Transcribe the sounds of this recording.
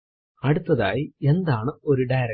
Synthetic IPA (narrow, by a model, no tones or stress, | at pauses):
ɐɽut̪ːɐða̰ːjie̞nd̪aːɳɨo̞ɾuɖajɾɐ